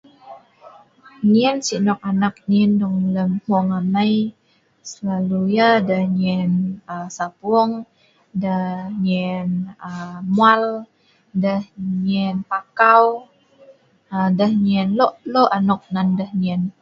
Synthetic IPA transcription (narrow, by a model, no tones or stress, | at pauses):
niənsinɔk̚anak̚niəndɔŋləmhɔŋamaj | səlalujadəhɲiənəsapʊɔŋ | dəɲənəmual | dəhɲənpakaw | ədəhɲiənlɔʔloʔanɔk̚nandəhniən